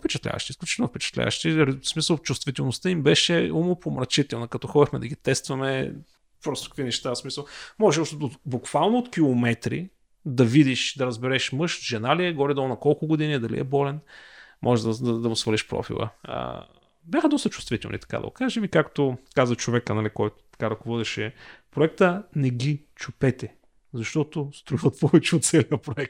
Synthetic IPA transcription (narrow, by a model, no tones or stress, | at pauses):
fpɛt͡ʃɐt̪lʲa̰vɐ̰ʃt̪iːsklʲut͡ʃi̥t̪lnʊfpɛt͡ʃɐ̥t̪lʲa̰və̰ʃt̪iɾsmisəlˠt͡ʃʊst̪vit̪ɛlˠnost̪əimbɛʃɛumopomɾɐt͡ʃit̪ɛlˠnɐkɐt̪ɔxɔd̪ʲixmɛd̪ɐɡit̪ɛst̪vɐmɛ | pɾɔst̪o̥kvinɛʃt̪asmisəlˠmɔʒɛɔʃt̪ot̪obʊkv̥alˠnoot̪kʲilˠomɛt̪ɾḭ | d̪ɐvid̪iʃd̪ɐɾɐzbɛɾɛʃmɤʃt̪ʒɛnaliɛɡɔɾid̪ɔlˠnɐkɔlˠkʊɡʊd̪inid̪ɐlḭɛ̰bɔlɛnmʔɔ̰ʒɛd̪ɐd̪ɐd̪ɐɡʊsvəɾliʃpɾɔ̰fḭlˠə̰ə̰ | bʲjaxəd̪ɔst̪ət͡ʃʊst̪vit̪ɛlˠnit̪ɐ̥kad̪ɐ̰ɡʊ̰kaʒɛvikakt̪ʊkazɐt͡ʃovɛkənɐlikɔjt̪ʊ̥t̪ɐ̥kaɾɐkovɔd̪ɛʃɛpɾoɛkt̪ənɛɡit͡ʃupɛt̪ɛ | zɐʃt̪ɔt̪ost̪ɾuivət̪̚pɔvɛt͡ʃɛot̪sɛliəpɾoɛk̚t̪